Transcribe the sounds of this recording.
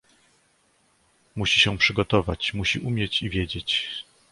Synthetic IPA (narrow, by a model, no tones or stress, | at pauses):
muɕiɕɛ̃pʂɘɡɔt̪ɔvat͡ɕmuɕiʔumʲjɛt͡ɕivʲjed͡ʑet͡ɕ